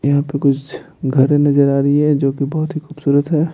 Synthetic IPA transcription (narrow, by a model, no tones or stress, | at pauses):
jɐɦãpekʊt͡ʃʰ | ɡʱɐɾẽnɐd͡ʒəɾaːɾəiɦɛd͡ʒoːkibɐɦʊt̪ɦixuːbsuːɾət̪ɦɛː